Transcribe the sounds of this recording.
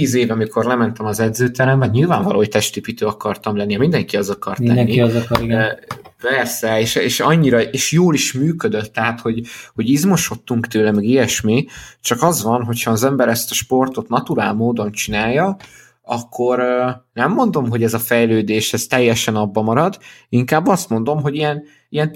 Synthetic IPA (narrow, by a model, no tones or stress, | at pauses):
t̪iːzeːvɒmikʰo̞rlɛmɛnt̪ɛmɒzɛd̪zøːt̪ɛɾɛɱvɒɟɲilvaːɱvɒlʔo̰ːjt̪ɛʃt̪ipit̪øːɒkɒrt̪ɒmlɛnːiɒmind̪ɛŋkiɒzɒkɒrt̪ɛnːiz | pɛrsɛeʃeːʃɒɲːiɾɒeːʃjoːliʃmyːkød̪øt̪ːɛɦat̪ho̞ɟho̞ɟizmo̞ʃo̞t̪ːuŋkt̪øːlɛmɛɡijɛʃmit͡ʃɒkɒzʋɒnɦo̞chɒːzɛmbɛɾɛst̪ɒʃpo̞rt̪o̞t̪nɒt̪uɾaːlmoːd̪o̞nt͡ʃinaːjːɒ | ɒkʰːo̞ɾnɛmːo̞nd̪o̞mɦo̞ɟɛzɒfɛjløːd̪eːʃɛz̥t̪ɛjːɛʃɛnɒbːɒmɒɾɒd̪iŋkaːbːɒst̪mo̞nd̪o̞mɦo̞ɟijɛn | ijɛn